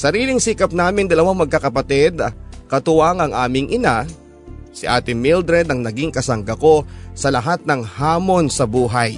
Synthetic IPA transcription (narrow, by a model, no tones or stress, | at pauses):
sɐɾiːlɪŋsiːkɐp̚naːmɪŋd̪ɐlɐwaŋmɐɡ̚kakɐpɐt̪ɛd̪kɐt̪ʊwaŋɐŋʔaːmɪŋʔɪna | sɪʔaːt̪ɪŋmild̪ɾɛd̪ɐŋnɐɡiŋkɐsɐŋɡɐko̞sɐlɐɦat̪̚nɐŋhaːmo̞nsɐbuːɦaj